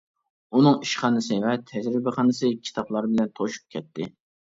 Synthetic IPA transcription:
unɨŋiʃχɑnɨsɨvɛt̪ʰɛd͡ʒɾɪbɪχɑnɨsɨkʲʰi̥t̪ʰɑplˠɑɾbɪlɛnt̪ʰoʃu̥p̚kʲʰɛt̪ːɪ

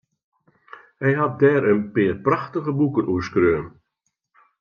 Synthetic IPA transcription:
hɛjɦat̚dɛːɾənpɪːrpraxtəɣəbukənuəskrøːm

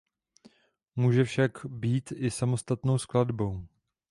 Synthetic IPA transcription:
muːʒɛfʃakbiːt̪ʔɪsamo̞st̪at̪no̞wskladbo̞w

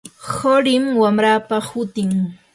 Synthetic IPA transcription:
hoɾɪmwamɾaːpahʊt̪ɪŋ

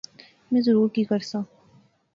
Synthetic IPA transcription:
mɛ̃ːzəɾuːɾkikəɾsãː

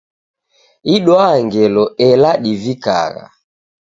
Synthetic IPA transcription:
iɗwaŋɡɛlɔɛlaɗivika̰ɣa̰

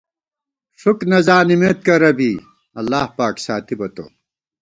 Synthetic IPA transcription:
ʂuknɐzaːnimeːt̪̚kɐɾɐbiː | ɐlːaːhpaːksaːt̪ibɐt̪o̰ː

